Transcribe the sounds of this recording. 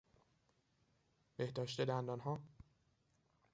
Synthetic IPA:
b̥e̞hd̪ɒːʃt̪ed̪ænd̪ɒːnɦɒː

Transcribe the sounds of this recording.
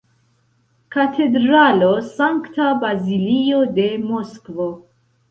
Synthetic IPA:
katʰe̞dɾalo̞saŋktabazilio̞de̞mo̞skvo

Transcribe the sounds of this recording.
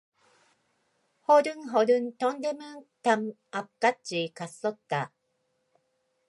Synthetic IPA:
hoɾɯŋɦoɾɯ̃nt̪õnd̪emɯt̪am | apkːaikasːot̪ːa

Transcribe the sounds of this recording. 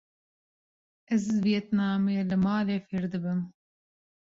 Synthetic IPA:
ɛzviɛt̪nɑːmeːlɨmɑːleːfiɾd̪ɨbɨm

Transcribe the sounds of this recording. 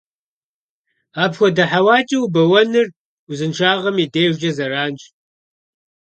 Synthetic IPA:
aːpxʷɔdɐħawaːt͡ʃʼɐwubɐwɐnɨr | uzɨnʃʰaːʁɐmideːʒd͡ʒɐzɐraːnt͡ʃʼ

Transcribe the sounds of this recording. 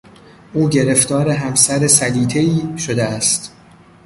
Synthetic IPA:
ʔuːɟe̞ɾe̞ft̪ɒːɾe̞ɦæmsæɾe̞sæliːt̪ʰe̞iːʃo̞d̪eæst̪

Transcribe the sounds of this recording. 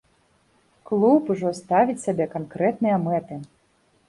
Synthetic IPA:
klˠupuʐɔst̪avʲit͡sʲsʲabʲɛkankɾɛt̪nɨjɐmɛt̪ɨ

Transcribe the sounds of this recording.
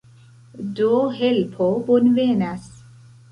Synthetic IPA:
doɦelpʰobonvenas

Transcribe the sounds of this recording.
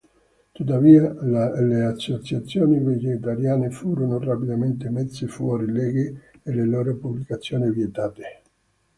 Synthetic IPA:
t̪ut̪ːaviːalleasːot͡ʃat̪sːjoːnived͡ʒet̪̬aɾjaːnefuːɾonorapid̪ament̪emesːefwɔːɾilɛɡe | eleloːɾopublikat̪sːjoːnivjet̪aːt̪e̥

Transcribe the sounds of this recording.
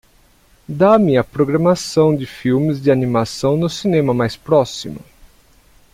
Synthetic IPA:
d̪amɪɐpɾoɡɾɐmasɐ̃w̃d͡ʒ̪ɪfiwmɪzd͡ʒɪanimasɐ̃w̃nʊsinẽmɐmajspɾɔsimʊ̰

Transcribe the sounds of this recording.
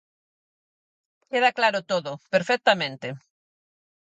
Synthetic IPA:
keðaklaɾʊt̪oðʊpeɾfɛk̚t̪amẽnt̪e

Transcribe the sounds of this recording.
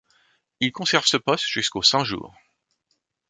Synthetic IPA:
ilkɔ̃sɛʁv̥səpɔst̪ʒ̥yskosɛ̃ʒṵːʁ

